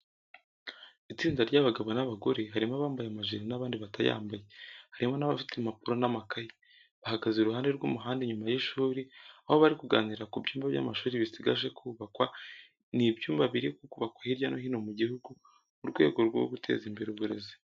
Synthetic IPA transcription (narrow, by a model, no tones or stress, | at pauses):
it͡siːndaɾɟaβaɡaβo̞naβaɡo̞ɾe̞ɦaɾimoβaːmbajamaʒiɾinaβaːndiβataja̰ːmbajehaɾimo̞naβafitʰemapuɾo̞namakaji | βahaɡazuɾuɦaːnde̞ɾɡṵmuɦaːndeɲumajiʃuːɾiaho̞βaɾikuɡaːniɾakubɟuːmbaβja̰maʃuːɾiβisiɡaʒe̞kʰuːβakwa | nibjuːmbaβiɾikukuβakwahiɾjanohino̞muɟihuɡu | uɾɡwe̞̰ːɡo̞ɾɡo̰ɡutʰe̞̰ːzimbe̞ɾeuβuɾe̞̰zi̥